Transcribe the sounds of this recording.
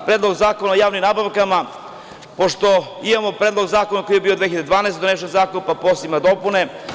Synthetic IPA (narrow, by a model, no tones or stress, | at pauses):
pɾed̪lˠoɡzaːkonaojaːʋnimnaːbaʋkama | po̞ʃt̪o̞ | imamopɾeːd̪lˠo̞ɡzaːkonako̞jijebiːod̪ʋeiʎad̪ed̪ʋaːnaest̪ed̪oneʃ̬ozaːkonpaposimad̪o̞pune̞